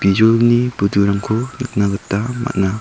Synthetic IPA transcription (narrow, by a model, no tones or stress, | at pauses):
b̥id͡ʒulnibuduɾamkʰonɯk̚naɡɯtːama̰t̚na